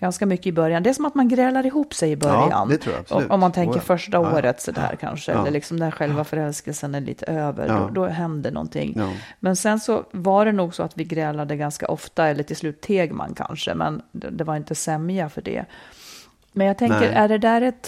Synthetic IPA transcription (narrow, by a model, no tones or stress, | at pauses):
ɡ̥anskamʏkːəɪbœɾjand̪ɛæʂɔmat̪manɡɾɛːlaɾɪɦuːpsɛjɪbœɾja̰nɔʔɔmːant̪ʰɛŋkːəɾfœʂʈaoːɾət̪sɔd̪æ̰ːɾkʰa̰nʂəɛ̰lːəɭɪksɔmd̪ɧɛlvafœɾɛlskəlsənæɭḭːt̪ʰəøːvə̰ɾdɔ̰d̪ɔɦɛnd̪ənɔ̰nt̪ʰɪ̰ŋːmɛnsɛnsɔvaɖɛnuːɡsɔat̪vɪɡɾɛːlad̪əɡanska̰ʔɔft̪aɛlːəʈʰɪlslʉːt̪ʰːeːɡma̰nkʰa̰nʂə̰mɛ̰nd̪ɛvaɾɪnt̪əsɛmjafœɖɛ̰ | mɛnjaɡ̚t̪ʰɛŋkːəɾʔæɖɛd̪æɾɛt̪